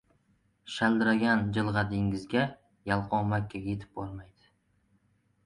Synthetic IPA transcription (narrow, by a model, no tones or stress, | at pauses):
ʃald̪ɪɾaɡʲand͡ʒɪlˠʁɑd̪ɪŋɪzɡʲa | jalˠqɒmakʲʰːajet̪ʰɪ̥p̚bɒɾmajd̪ɪ̥